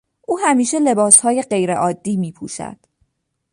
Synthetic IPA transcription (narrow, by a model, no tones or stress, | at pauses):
ʔuːhæmiːʃe̞le̞bɒːshɒːje̞ɢe̞jɾeʔɒːd̪ːiːmiːpʰṵːʃæ̰d̪̥